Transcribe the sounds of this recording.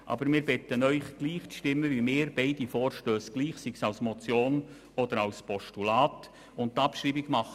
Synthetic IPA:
ʔɑ̰bəɾmɪːɾbɪtənœʏχɡ̥liːχt͡sʃtɪmːəʋimɪːɾbɛɪdifɔːɾʃtøːsɡ̥liːχsiksɑwsmɔt͡sjoːn | ɔd̪əɾɑwspɔʃtulɑːt | ʊnttːɑpʃɾiːbiɡmɑχə

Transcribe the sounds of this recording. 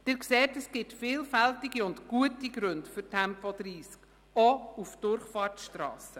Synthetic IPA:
d̥ɪɾkseːtəsɡ̥ɪtfɪːlfæltiɡiʊndɡ̥uətiɡɾɵndfʏɾtʰɛmpɔd̥ɾiːsk | ɔufd̥ʊɾχfɑːrtʃtɾɑ̰ːsə

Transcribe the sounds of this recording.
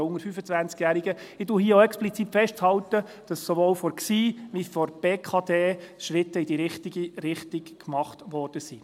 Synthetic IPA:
ʊŋəɾfyfət͡sʋænt͡skjæːɾiɡə | ɪtuɦiəoɛksplit͡siːtfɛʃthɑwt̪ə | d̥ɑsːɔʋoːwfɔɾksiːʋifɔrb̥eːkʰɑːdeːʃɾɪt̪ːəidiɾɪχtiɡiɾɪχtikkmɑχtʋɔrd̥əsi

